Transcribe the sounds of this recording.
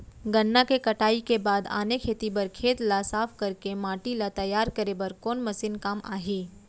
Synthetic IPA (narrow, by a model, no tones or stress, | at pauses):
ɡɐnːakekɐʈaːikebaːd̪a̰ːnekʰeːt̪ibɐɾkʰeːt̪lasaːpʰkɐɾkemaːʈilat̪ɐjaːɾkɐɾebɐɾkɔːnmɐsinkaːma̰ːɦiː